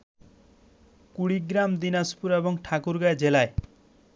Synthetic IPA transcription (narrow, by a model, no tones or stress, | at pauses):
kuɽiɡɾamd̪inaspuɾebɔŋʈʰakuɾɡaed͡ʒelae